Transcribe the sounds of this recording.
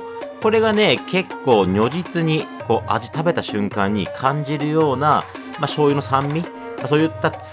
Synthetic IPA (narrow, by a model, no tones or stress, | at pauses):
ko̞ɾe̞ɡane̞kʰe̞kːo̞ːɲʲo̞ʑit͡sɨɲ̟iko̞ːʔa̰d͡ʑi̥t̪abe̞t̪aɕɨ̃ŋkãɲ̟ːḭkʰãɲ̟d͡ʑiɾɯ̟jo̞ːna | maɕo̞ːjɯno̞sãmːʲi | maso̞ːjɯ̟t̪ːa